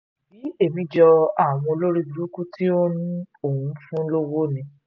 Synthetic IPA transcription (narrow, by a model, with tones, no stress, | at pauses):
bi˨˦e˦˨mĩ˧d͡ʒɔ˧a˦˨w̃ɔ̃˧o˧lo˦ɾi˦du˨˦ɾu˦ku˦ti˦o˦nĩ˦o˦˨wũ˨˦fũ˦lo˦wo˦nĩ˧